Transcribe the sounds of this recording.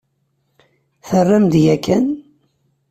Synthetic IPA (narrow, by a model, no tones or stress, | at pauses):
θərːəmd̪jækːæn